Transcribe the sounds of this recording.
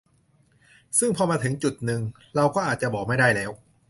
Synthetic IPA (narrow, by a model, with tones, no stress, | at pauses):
sɯ˥˩ŋpʰɔː˧maː˧t̪ʰɯ˩˦ŋt͡ɕu˨˩t̪̚nɯ˧ŋ | ɾa˧wkɔː˥˩ʔaː˨˩t̪̚t͡ɕa˨˩bɔː˨˩ma˥˩jda˥˩jlɛː˦˥w